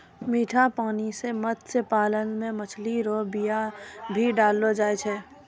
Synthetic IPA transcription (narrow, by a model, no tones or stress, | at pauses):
miːʈʰapaːniseməd̪sepaːlənmẽmət͡ʃʰliɾoːbijabʱiɖaːlːod͡ʒaːet͡ʃʰɛː